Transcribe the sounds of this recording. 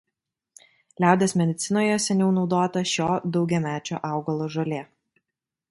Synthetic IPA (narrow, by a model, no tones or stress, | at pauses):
lʲæˑʊd̪ʲeːsmʲɛd̪ʲɪt̪sʲɪnoːjɛsʲɛnʲuʊnɒʊd̪oːt̪ɐʃʲoːd̪ɒʊɡʲɛmʲæːt͡ʃʲo̰ːʔɑˑʊɡɐlˠoːʒɐlʲeː